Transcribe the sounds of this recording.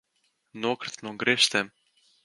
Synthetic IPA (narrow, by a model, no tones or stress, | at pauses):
nuɔkɾɨ̥t̪nuɡɾeʃt̪ɛm